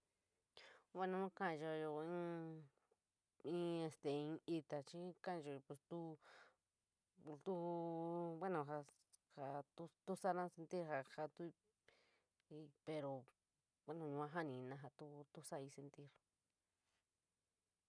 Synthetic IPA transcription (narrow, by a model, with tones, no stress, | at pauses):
βe˦nã˦ã˦kã˦˧ʒo˧jo˧ĩ˦ | ĩ˦e˧st̪e˨ĩ˧i˧t̪a˨t͡ʃi˦kã˦˧ʒo˧˨pe˧˨st̪u˦˧ | t̪u˦ | βe˦nõ˧˨ɦa˧ | ha˧t̪u˧t̪u˦sa˦nã˦se˧nt̪i˦ɾha˧ha˧t̪u˦˧ | i˧pe˧ɾo˨ | we˦nõ˧˨ɲũ˧ã˧˦ɦa˦nĩ˨˧nã˧ɦa˧t̪u˦t̪u˦sa˦i˧se˧nt̪i˦ɾ